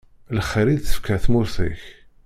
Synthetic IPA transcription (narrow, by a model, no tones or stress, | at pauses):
ləχɾid̪θə̥fkæθmʊɾθḭç